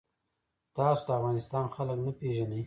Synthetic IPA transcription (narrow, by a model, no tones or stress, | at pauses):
t̪ɑsod̪əafɣɑnɪst̪ɑnxaləknapeʒanəj